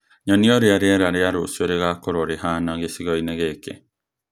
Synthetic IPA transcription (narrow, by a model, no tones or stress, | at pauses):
ɲɔnioɾeaɾeaɾaɾeaɾosueɾeɣakoɾoɾeɦaːnaɣesiɣoineɣeːke